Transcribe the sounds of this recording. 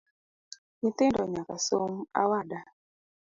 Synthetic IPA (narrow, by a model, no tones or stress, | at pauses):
ɲit̪ɪndɔɲakasoŋa̰wada